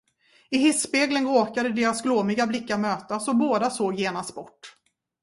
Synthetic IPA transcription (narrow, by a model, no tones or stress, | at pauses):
ɪhɪsːpeːɡlənɾoːkad̪əd̪eːɾasɡloːmɪɡablɪkːaɾmøːt̪asɔboːd̪asoːɡjeːnast̪̚bɔʈː